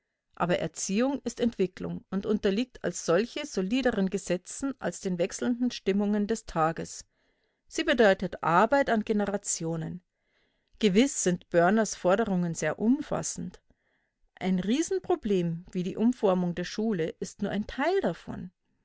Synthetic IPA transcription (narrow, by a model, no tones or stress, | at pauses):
ʔa̰ːbɐʔɛ̰ɐt͡siːʊŋɪstɛntv̥ɪklʊ̰ŋʊntʊntɐliːk̚tʰa̰lsz̥ɔlçəz̥oliːdəʁənɡəzɛt͡sn̩ʔa̰lsd̥eːnvɛksl̩ndn̩ʃtɪmʊŋəndɛstʰaːɡəs | z̥iːbədɔʏtətʔa̰ɐbaɪtanɡenəʁat͡sjoːnən | ɡ̥əvɪsz̥ɪntb̥œɐnɐsfɔɐdəʁʊŋənzeːɐʔʊmfa̰sn̩t | ʔaɪnʁiːzn̩pʁ̥obleːmviːdiːʔʊmfɔɐmʊŋdeːɐʃuːləʔɪstnuːɐʔaɪntʰaɪldafɔ̰n